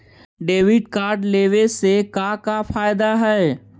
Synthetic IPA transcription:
ɖeːʋɪɖkaːɾɖleːʋesekakafʰaːjd̪aɦɛː

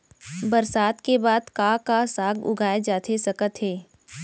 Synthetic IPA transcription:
bəɾsaːt̪kebaːd̪kakasaːɡʊ̰ɡʱaːed͡ʒaːt̪ʰesɐkət̪ɦɛː

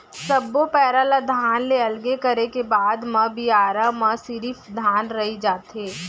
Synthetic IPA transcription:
sɐbːopɛːɾalad̪ʱaːnleɐlɡekɐɾekebaːd̪mɐbiaːɾamɐsiɾifd̪ʱaːnɾɐɦid͡ʒaːt̪ɦeː

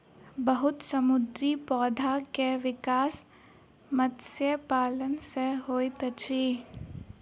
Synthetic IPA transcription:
bɐɦʊt̪sɐmʊd̪ɾipɔːd̪ʱakeʋɪkaːs | mət̪sjəpaːlənseɦoːit̪ɐt͡ʃʰiː

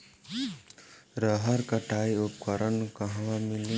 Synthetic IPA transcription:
ɾʌɦʌɾkʌʈajupkʌɾʌnkʌɦʋamili

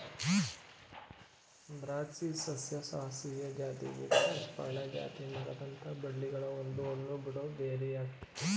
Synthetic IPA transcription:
bɾaːt͡ʃisɐsjɐsaːɦɐsijɐd͡ʒaːt̪ḭʋḭʈːɐpɐ̰ːɳɐd͡ʒa̰ːt̪inɐɡɐd̪ɐnt̪ʰɐbɐɽliɡɐɭɐond̪uond̪ubiɽoːbeːɾejaːk̪i̥

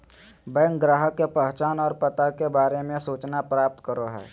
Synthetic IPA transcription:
bə̃jŋɡɾaːɦəkːepəɦt͡ʃaːnɔːɾpət̪akebaːɾemẽsuːt͡ʃnapɾaːp̚t̪kəɾoɦɛ̰ː

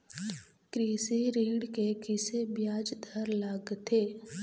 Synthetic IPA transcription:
kɾiːsiɾiːɽkekɪsebjaːd͡ʒd̪ʱəɾlaɡt̪ʰeː

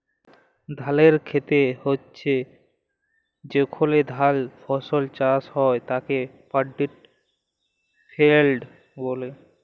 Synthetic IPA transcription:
d̪ʱaleɾkʰet̪ehotːɕʰe | d͡ʑekʰoled̪ʱalpʰɔsolt͡ɕashɔet̪ake | paɖːiʈ̚ | pʰelɖ | bole

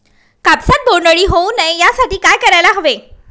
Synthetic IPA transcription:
kapsat̪̚boɾɳɖəɭiːɦounajjasaʈiːkajkəɾajlaɦoʋe

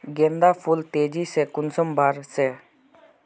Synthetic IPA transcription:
ɡend̪aːpʰult̪eːd͡ʒisekʊnsəmbʱaːɾse

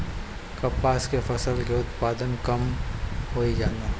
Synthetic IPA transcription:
kɐpːaːskefɐsəlkeʊt̪paːd̪ənkɐmhoːid͡ʒaːnaː

